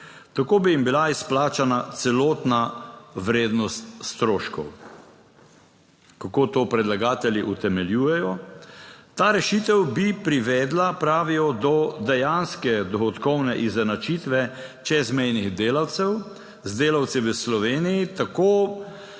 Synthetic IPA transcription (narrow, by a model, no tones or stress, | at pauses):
t̪akoːbijimbilaisplaːt͡ʃanat̪sɛloːt̪naʋɾeːd̪nɔst̪st̪ɾoːʃkɔ̰w | kakoːt̪oːpɾɛd̪laɡaːt̪ɛljiʔut̪ɛmɛljuːjɛjɔ | t̪aːɾɛʃiːt̪ɛwbipɾiʋɛːd̪lapɾaːʋijɔd̪ɔd̪ɛjanskɛd̪ɔxɔt̪kɔwnɛʔizɛnat͡ʃit̪ʋɛt͡ʃɛzmɛjniɣd̪eːlawt̪sɛw | zd̪eːlawt̪siʋəslɔʋeːnijit̪akoː